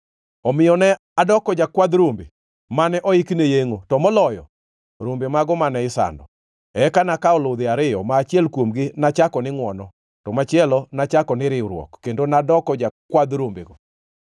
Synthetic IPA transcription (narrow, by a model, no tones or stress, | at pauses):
ɔmɪjɔnɛ | adɔkɔd͡ʒakwad̪ɾombḛ | manɛʔɔiknejeŋotɔmɔlɔjɔ̰ | ɾombemaɡɔmanɛɪsa̰ndɔ̰ | ɛkanakaɔlod̪ɪaɾɪɔmaːt͡ʃiɛlkwomɡɪnat͡ʃakɔnɪŋwɔnɔ | tɔmat͡ʃiɛlɔnat͡ʃakɔnɪɾɪɾwɔ̰kːendonadɔkɔd͡ʒakwad̪ɾombḛɡɔ